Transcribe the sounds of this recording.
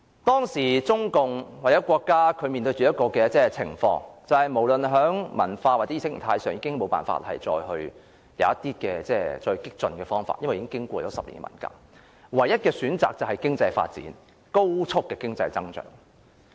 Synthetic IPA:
t̪ɔː˥ŋsiː˨˩t͡sʊ˥ŋkʊ˨ŋwaː˨k̚t͡sɛ˨˥wkʷɔː˧kːaː˥kʰɵ˨˧ɥmiː˨nt̪ɵ˧ɥt͡ʃy˨jɐ˥t̚kɔː˧kɛː˧t͡sɛː˥t͡sʰɪ̰˨˩ŋfɔ̰ː˧˥ŋt͡sɐ˨whɐ˨˩jmo˨˩wlɵ˨nɦœː˨˥ŋmɐ̰˨˩nfaː˧wa˨t͡sɛ˨˥i˧sɪ˥km̩˨˩t̪ʰaː˧jsœː˨˩ŋjiː˧kɪ˥ŋmo˨˧wpaː˨nfa̰ː˧t̚hɐ̰˨jt͡sɔ̰ː˧jɦɵ˧ɥ | jɐ̰˨˧wɐ˥t̪iː˥kɛː˧t͡sɛː˥t͡sɔː˧hkɪ˥k̚t͡sɵ˧nkɛː˧fɔː˥ŋfa̰ː˧t̚jɐ˥wɐ˨jiː˨˦kɪ˥ŋkɪ˥ŋkʷɔː˧jɔː˨˥wsɐ˨p̚lḭ˨˩nɡɛ̰˥mɐ̰˨˩nka̰ː˧˥k̚ | wɐ˨˩jːɐ˥t̚kɛː˧syː˨˥nt͡saː˨k̚t͡sɐ˨˩whɐ˨jkɪ˥ŋt͡sɐ˧jfa̰ː˧t̚t͡sḭː˨˥n | ko˥wt͡sʰʊ˥kːɛː˧kɪ˥ŋt͡sɐ˧jt͡sɐ˥ŋt͡ʃœ̰ː˩ŋ

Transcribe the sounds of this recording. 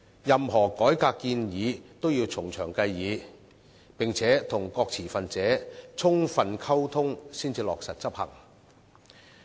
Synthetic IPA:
jɐ˨mɦɔː˨˩kɔː˨˥jkaː˧kːiː˧njiː˨˧t̪o˥wjiː˧wt͡sʰʊ˨˩ŋt͡sʰœː˨˩ŋkɐ˧jːiː˨˧ | pɪ˨ŋt͡sʰɛː˨˥t̪ʰʊ˨˩ŋkɔː˧k̚t͡sʰiː˨˩fɐ˨nt͡sɛː˨˥t͡sʰʊ˥ŋfɐ˨nkʰɐ˥wt̪ʰʊ˥ŋsiː˥nt͡siː˧lɔː˨k̚sɐ˨t̚t͡sɐ˥p̚hɐ̰˨˩ŋ

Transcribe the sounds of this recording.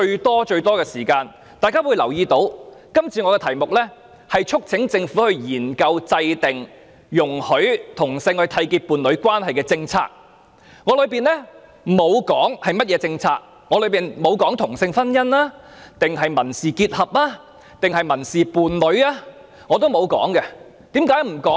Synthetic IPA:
t͡ʃɵ˧ɥt̪ɔː˥t͡ʃɵ˧ɥt̪ɔː˥kɛː˧siː˨˩kaː˧n | t̪aː˨˧jkaː˥wuː˨˧jlɐ˨˩wjiː˧t̪o˨˥wkɐ˥mt͡sʰiː˨˧ŋɔː˨˧kɛː˧t̪ʰɐ˨˩jmʊ˨k̚lɛ˥ | hɐ˨jt͡ʃʰʊ˥k̚t͡sʰɪ˨˥ŋt͡sɪ˧ŋfu˨˥hɵ˧ɥjiː˨˩nkɐ˧wt͡sɐ˧jt̪ɪ˨ŋ | jʊ˨˩ŋhɵ˨˥ɥt̪ʰʊ˨˩ŋsɪ˧ŋhɵ˧t̪ʰɐ˧jki˧t̚puː˨nlɵ˨˧ɥkwaː˥nɦɐ˨jkɛː˧t͡sɪ˧ŋt͡sʰa̰ː˧k̚ | ŋɔː˨˧lɵ˨˧ɥpiː˨nlɛ˥ | mo˨˧wkɔː˨˥ŋhɐ˨jmɐ˥t̚jɛː˨˧t͡sɪ˧ŋt͡sʰaː˧k̚ | ŋɔː˨˧lɵ˨˧ɥpiː˨nmo˨˧wkɔː˨˥ŋt̪ʰʊ˨˩ŋsɪ˧ŋfɐ˥njɐ˥nlaː˥t̪ɪ˨ŋɦɐ˨jmɐ˨˩nsiː˨kiː˧t̚hɐ˨p̚laː˥ | t̪ɪ˨ŋɦɐ˨jmɐ˨˩nsiː˨puː˨nlɵ˨˧ɥaː˥ | ŋɔː˨˧t̪̬o˥wmo˨˧wkɔ̰ː˨˥ŋkɛ˧ | t̪iː˨˥mkaː˨˥jm̩˨˩kɔː˨˥

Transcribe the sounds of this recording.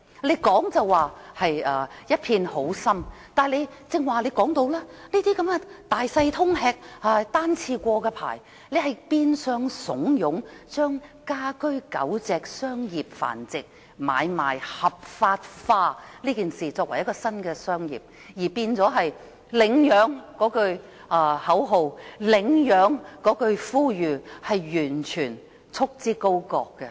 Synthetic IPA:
le˨˧jkɔː˨˥ŋt͡sɐ˨wːaː˨hɐ˨jɐː˨˧jɐ˥t̚pʰiː˧nho˨˥wsɐ˥mt̪aː˨˩le˨˧jt͡sɪ˧ŋwaː˨˩le˨˧jkɔː˨˥ŋt̪o˧wlaː˥niː˥t̪iː˥kɐ˨˦mkɛ˧t̪aː˨˩jsɐ˧jt̪ʰʊ˥ŋɦɛː˧k̚aː˧t̪aː˥nt͡sʰiː˧kʷɔː˧kɛː˧pʰa̰ː˨˩j | le˨˧jɦɐ˨jpiː˧nsœː˧ŋsʊ˨˥ŋjʊ˨˧˥ŋt͡ʃœː˥ŋkaː˥kɵ˥ɥkɐ̰˨˥wt͡sɛː˨k̚sœː˥ŋjiː˨p̚fa̰ː˨˩nt͡sɪ˨k̚ | ma̰ː˨˧jma̰ː˨˩jhɐ˨˩p̚faː˧t̚faː˧liː˥kiː˨nsiː˨t͡sɔː˧k̚wɐ˨˩jɐ˥kɔː˧sɐ˥nkɛː˧sœː˥ŋjḭː˨p̚ | jiː˨˩piː˧nt͡sɔː˨˥ɦɐ˨j | lɪ˨˧ŋjœː˨˥ŋkɔː˨˥kɵ˧ɥ | ʔaː˧hɐ˨˥wɦo˨˧wlɪ˨˧ŋjœː˨˧ŋkɔː˨˥kɵ˧ɥfuː˥jyː˨˩hɐ˨jjyː˨˩nt͡ʃʰyː˨˩n | t͡sʰʊ˥k̚t͡siː˥ko˥wkɔː˧kːɛ˧

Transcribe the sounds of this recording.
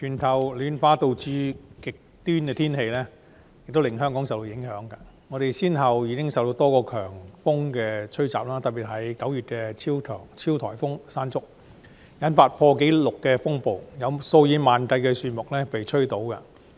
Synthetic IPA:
t͡ʃʰyː˨˩nt̪ʰɐ˨˩wlyː˨˧nfaː˧˥t̪o˨˧wt͡syː˧kɪ˨k̚t̪yː˥nkɛː˧t̪ʰiː˥nɦe˧jlɛ˥ | jjk̚t̪o˥wlɪ˨ŋɦœː˥ŋkɔː˨˥ŋsɐ˨wt̪o˧jɪ˨˥ŋɦœː˨˥ŋkɐː˧ | ŋɔ˨˧ɾe˨jsiː˥nɦɐ˨wjiː˨˧kɪ˥ŋsɐ˨wt̪o˧wt̪ɔː˥kɔː˧kʰœː˨˩ŋfʊ˥ŋkɛː˧t͡ʃʰɵ˥ɥt͡sa̰ː˨p̚laː˥t̪ɐ˨p̚pi˨t̚ɦɐ˨˥jkɐ˨˥wjyː˨t̚kɛː˧t͡sʰiː˥wt̪ʰœː˨˩ŋt͡sʰiː˥wt̪ʰɔ̰ː˨˩jfʊ˥ŋsaː˥nt͡sʊ˥k̚ | jɐ˨˥nfaː˧t̚pʰɔː˧ke˨˥jlʊ˨kːɛ˧fʊ˥ŋpo˨˧wjɐ˨˧wso˧wjiː˨˧maː˨nk̪ɐ˧jkɛː˧syː˨˧˩nmʊ˨k̚lɛː˥pe˨jt͡ʃʰɵ˥ɥt̪o˨˥wkɐ˧

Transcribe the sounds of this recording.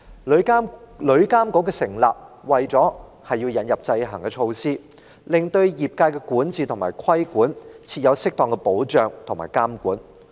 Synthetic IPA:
lɵ˨˥ɥkaː˥mkɔː˨˥kɛː˧sɪ˨˩ŋla̰ː˨p̚ | wɐ˨jt͡sɔː˨˥ | hɐ˨jːiː˧wjɐ˨˧njɐ˨p̚t͡sɐ˧jɦɐ˨˩ŋkɛː˧t͡ʃʰo˧wsiː˥ | lɪ˨ŋt̪ɵ˧ɥjiː˨˩p̚kaː˧jkɛː˧kuː˨˥nt͡siː˨˩t̪ʰʊ˨˩ŋma̰ː˨˩jkʷʰɐ˥jkuː˨˥nt͡sʰiː˧t̚jɐ˨˧wsɪ˥k̚t̪ɔː˨ŋkɛ˧po˨˥wt͡ʃœː˨˩ŋt̪ʰʊ˨˩maː˨˩jkaː˥mkuː˨˥n

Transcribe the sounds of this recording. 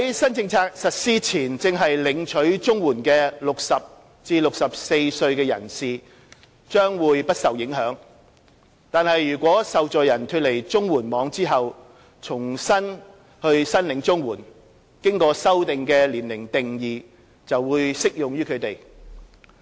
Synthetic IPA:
hɐ˨˦jsɐ˥nt͡sɪ˧ŋt͡sʰaː˧k̚sɐ˨t̚siː˥t͡sʰiː˨˩nt͡sɪ˨˧ŋɦɐ˨jlɪ˨˧ŋt͡ʃʰɵ˨˥ɥt͡sʊ˥ŋwuː˨˩nkɛː˧lʊ˨k̚sɐ˨p̚ | t͡siː˧lʊ˨k̚sɐ˨p̚se˧jsɵ˧ɥkɛː˧jɐ̰˨˩nsiː˨ | t͡ʃœː˥ŋwuː˨˧jpɐ˥t̚sɐ˨wjɪ˨˥ŋɦœː˨˥ŋ | t̪aː˨nhɐ˨jːyː˨˩kʷɔː˨˥sɐ˨wt͡ʃɔː˨jɐ˨˩nt̪ʰy˧t̚le˨˩jt͡sʊ˥ŋwuː˨˩nmɔː˨˧ŋt͡siː˥ɦɐ˨w | t͡sʰʊ˨˩ŋsɐ˥n | hɵ˧ɥsɐ˥nlɪ˨˥ŋt͡sʊ˥ŋwuː˨˩n | kɪ˥ŋkɔː˧sɐ˥wt̪ɪ˨ŋkɛː˧liː˨˩nlɪ˨˩ŋt̪ɪ˨ŋjiː˨˩ | t͡sɐ˨wwuː˨˧jsɪ˥k̚jʊ˨ŋjyː˥kʰɵ˨˧ɥt̪e˨˩j

